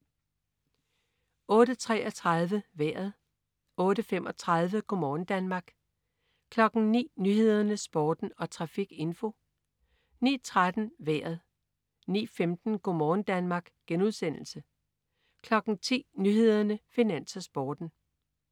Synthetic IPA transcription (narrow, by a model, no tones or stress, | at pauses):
ɔ̽ːɾət͡sʰʁɛ̰ːʔɒ̽t͡sʰʁɑð̞ˠʋəʋæɐ̰ð̞̩ˠ | ɔ̽ːɾəfem̰ʔɒ̽t͡sʰʁɑðˠʋəɡ̥ʰomɒːn̩d̥ænmɑ̈ːɡ̥ | kʰlɒ̽ɡ̥n̩nḭːnyhe̝ð̞̰ˠɐnəsb̥ɒːd̥n̩ɒ̽t͡sʰʁɑ̈fiɡ̥e̝nfo | nḭːt͡sʰʁad̥n̩ʋæɐ̰ð̞ˠ | nḭːfemd̥n̩ɡ̥o̝mɒːn̩d̥ænmɑ̈ːɡ̥ɡ̥enuð̞ˠsen̰l̩sə | kʰlɒ̽ɡ̥n̩t͡sʰḭːnyhe̝ð̞̰ˠɐnəfinæn̰sɐsb̥ɒːd̥n̩